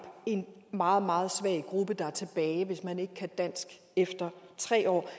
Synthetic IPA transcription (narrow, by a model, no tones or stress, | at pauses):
e̝nmɑ̈ːð̞̩ˠmɑ̈ːð̞̩ˠsʋæɐ̰ɡ̥ʁub̥əd̥ɑ̈æɐt͡sʰe̝b̥ɛːɪʋe̝smæne̝ɡ̥əkʰæd̥æn̰sɡ̥ | efd̥ɐt͡sʰʁɛ̰ːɒ̰ː